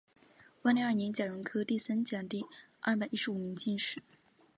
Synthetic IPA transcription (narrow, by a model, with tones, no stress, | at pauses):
wa˥nli˧˥a˞˥˩njɛ˧˥t͡ɕja˨˩ɻʊ˧˥ŋkʰɤ˥t̪i˥˩sa˥nt͡ɕjɑ˨˩ŋt̪i˥˧ɐ˥˩p̬a˨˩ɪʔi˥ʂɻu˨˩mi˧˥ŋt͡ɕi˥˧nʂɻ̩˥˩˦